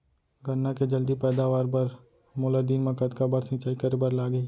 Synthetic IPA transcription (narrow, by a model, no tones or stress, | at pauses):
ɡɐnːaked͡ʒɐld̪ipɛːd̪aʋaːɾpɐɾ | mʊlad̪iːnmɐkət̪kabɐɾsɪ̃t͡ʃaːikɐɾebɐɾlaːɡəiː